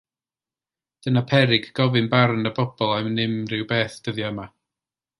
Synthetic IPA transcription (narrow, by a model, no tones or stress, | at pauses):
d̥ənapʰɛɾɪɡɡɔvɨnbarnəbɔb̥ɔlˠamnɪmrɪwbeːθd̥əðjɔəma